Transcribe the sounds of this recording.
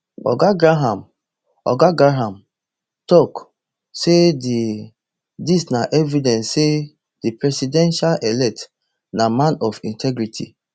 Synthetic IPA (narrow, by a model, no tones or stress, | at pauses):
ɔ̰ɡaɡɾaɦãm | ɔ̰ɡaɡɾaɦãm | tɔk | sedi | disnaʔɛvidɛ̃nsse | d̥ipɹɛsidɛ̃nʃalʔɛlɛk̚t | namãnɔfĩntʰɛɡɾitʰḭ